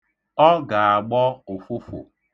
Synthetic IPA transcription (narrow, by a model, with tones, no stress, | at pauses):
ɔ˦ɡa˨a˨ɡ͡bɔ˦o˨fo˦fo̰˨